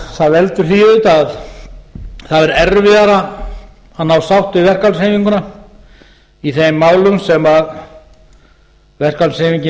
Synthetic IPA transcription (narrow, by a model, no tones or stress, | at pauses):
θaðvɛlt̪ʏɾ̥θiʏt̪að | θaðɛɾɛɾvɪðaɾa | anawsawht̪ɪvɛr̥kalsheːjmiŋkʏna | iθejmːaːwlʏmsɛmað | vɛr̥kalsheːmiɲcɪ